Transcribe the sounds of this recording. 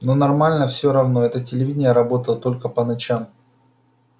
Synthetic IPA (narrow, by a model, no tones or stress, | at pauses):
no̞nɐrmalʲnəfsʲoɾɐvno̞ɛt̪ətʲɪlʲɪvʲidʲɪnʲjəɾɐbo̞t̪əlˠət̪o̞lʲkəpənɐt͡ɕam